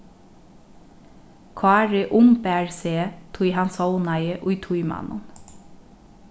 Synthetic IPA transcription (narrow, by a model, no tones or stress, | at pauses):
kʰʋɑːæɹeʔʊmbæːɹseːt̪ʰuːihɑnsɔʊnɑɪəʔʊit̪ʰujmɑ̰nʔə̰n